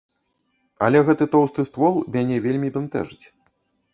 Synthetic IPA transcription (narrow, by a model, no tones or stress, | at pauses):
ɐ̰lʲɛɣɛt̪ɨt̪ɔwst̪ɨst̪vɔlˠmʲanʲɛvʲelʲmʲibɛnt̪ɛ̰ʐɨt͡sʲ